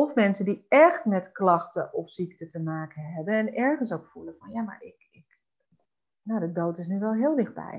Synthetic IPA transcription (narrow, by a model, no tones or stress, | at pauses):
ɔfmɛnsəndiɛχtmɛtklɑxtə̰ʔɔfsik̚tətəmaːkənɦɛbənɛnɛɹχəns̬owkfuləfɑnjama̰ːɹɪk | ɪk | nodədowtɪsnyʋɛlˠɦɪːlˠdɪχd̚bɛ̰j